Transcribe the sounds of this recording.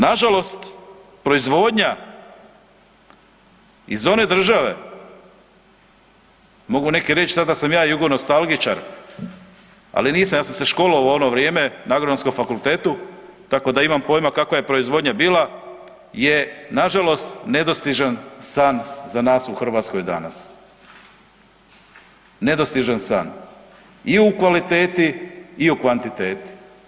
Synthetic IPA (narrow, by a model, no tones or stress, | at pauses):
naʒalo̞st̪pɾoizʋo̞ːd̪ɲa | izo̞ne̞d̪r̩ʒaʋe̞̰ | mo̞ɡune̞keɾe̞t͡ʃsad̪asamjaːiuɡod̪nost̪alˠɡit͡ʃa̰ɾ | a̰liniːsamjaːsamse̞ʃko̞loo̞noʋɾjeːmenaɡɾd̪anskomfakulˠt̪e̞ːt̪ut̪ako̞d̪aimampo̞jmakakʋaje̞pɾo̞izʋo̞d̪ɲabiːla | je̞naʒalo̞st̪ne̞d̪ost̪iʒansaːnzanaːsuxr̩ʋaːt̪sko̞jd̪a̰na̰s | e̞d̪ost̪iʒansa̰ːn | iukʋalit̪e̞ːt̪iːukʋant̪it̪e̞ːt̪i̥